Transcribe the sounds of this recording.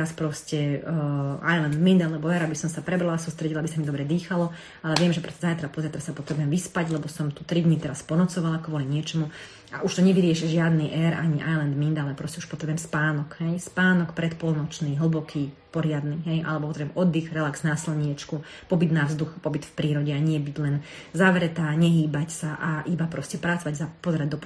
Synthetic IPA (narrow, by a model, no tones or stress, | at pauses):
aspɾɔscɛ | a̰jlɛnd̪mind̪alɛbɔɛɾabisɔmsapɾɛbɾalasust̪ɾɛɟilabisamid̪ɔbɾɛd̪iːxalɔ | alɛʋɪɛmʒɛpɾɔscɛzajt̪ɾapɔzajt̪ɾasapɔt̪ɾɛbujɛmʋispaɟlɛbɔsɔmt̪ut̪ɾid̪ɲit̪ɛɾaspɔnɔt͡sɔʋalakʋɔliɲɪɛt͡ʃɔmu | a̰ʔuʃt̪ɔɲɛʋiɾɪɛʃɛʒɪad̪niʔɛɾa̰ɲiʔa̰jlɛnd̪mind̪alɛpɾɔscɛu̥ʃpɔt̪ɾɛbʊjɛmspaːnɔkɦɛjspaːnɔkpɾɛt̪pɔlˠnɔt͡ʃniːɦl̩bɔkʰiːpɔɾɪad̪niɦɛjʔa̰lɛbɔpɔt̪ɾɛbjɛmʔɔd̪ːixɾɛlaksnaːsilɲɪɛt͡ʃku | pɔbid̪navzd̪uxpɔbit̪fpɾiːɾɔɟɛaɲɪɛbiɟlɛn | zaʋɾɛt̪aːɲɛɦiːbacsaʔaʔibapɾɔscɛpɾat͡sɔʋaɟzapɔzɛɾaɟd̪ɔp